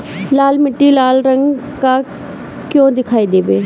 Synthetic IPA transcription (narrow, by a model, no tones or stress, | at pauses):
laːlmɪʈːiːlaːlɾəŋɡ | kaː | kjõːd̪ɪkʰaːiːd̪eːʋeː